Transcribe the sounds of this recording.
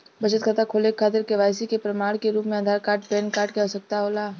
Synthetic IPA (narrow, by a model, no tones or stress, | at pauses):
bɐt͡ʃət̪kʰət̪akʰoːlekʰːaːt̪ɪɾkeʋaːjsikepɾɐmaːɽ̃keɾuːpmẽɐd̪ʱaːɾkaːʈ̚peːnkaːʈkeɦosɐk̚t̪aɦoːlaː